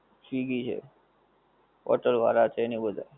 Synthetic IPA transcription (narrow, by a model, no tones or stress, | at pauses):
sʋiɡit͡ʃʰḛ | ʔɔ̰ʈəɾʋa̰ɾat͡ʃʰeːnibəd̪ʱa̰